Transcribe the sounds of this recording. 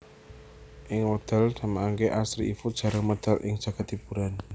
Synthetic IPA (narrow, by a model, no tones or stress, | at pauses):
ʔɪŋod̪̥a̤lsamaːŋkeʔasɾiifud̥ʒ̥a̤ɾəŋməd̪̥alʔɪ̰ŋd̥ʒ̥a̤ɡ̥a̤t̪ːib̥uɾan